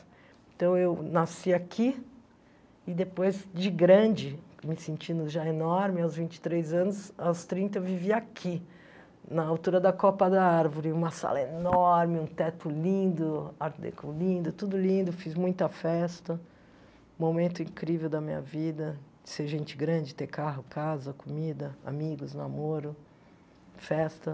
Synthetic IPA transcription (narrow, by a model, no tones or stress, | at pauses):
ẽt̪ɐ̃w̃ewnasiakʰi | ɪd̪epojzd͡ʒɪɡɾɐ̃d͡ʒɪmɪsẽnt͡ʃĩnd̪ʊʒaenɔɾmɪawzvĩnt͡ʃɪ̥t̪ɾejzɐ̃nʊsawst̪ɾĩnt̪ɐewviviakʰi | nɐawt̪uɾɐd̪ɐkɔpɐd̪ɐaɾvoɾɪũmɐsa̰lɐenɔɾmɪũt̪ɛt̪ʊlĩnd̪ʊaɾd̪ḛkolĩnd̪ʊt̪ud̪ʊlĩnd̪ʊfizmũj̃t̪ɐfɛst̪ɐ | momẽnt̪ʊĩkɾivewd̪ɐmĩɲɐ̰vid̪ɐd͡ʒɪ̥seɾʒẽnt͡ʃɪɡɾɐ̃d͡ʒɪt̪ekaɦʊkʰazɐkomid̪ɐa̰miɡʊzna̰moɾʊ | fɛst̪ɐ